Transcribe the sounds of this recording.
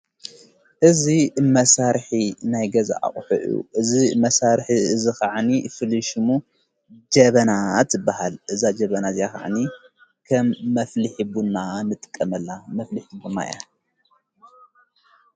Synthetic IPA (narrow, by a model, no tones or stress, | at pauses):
ʔɨzimɐsaɾħinajɡɐza̰ʔa̰χʼħṵʔjṵʔɨzimɐsaɾħiɨzixaʕnifɨlɨʃmu | d͡ʒɐβɐnat̪ɨbahalʔɨzad͡ʒɐβɐnazjaxa̰ʕni | kʰɐmːɐflɨħibunːanɨt̪ʼɨ̥kʼːɐmɐlːamɐflɨħibuna̰ja̰